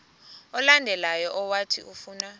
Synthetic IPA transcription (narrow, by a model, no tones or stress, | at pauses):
ɔlandʱɛlajɔʔɔwatʰḭʔufuːna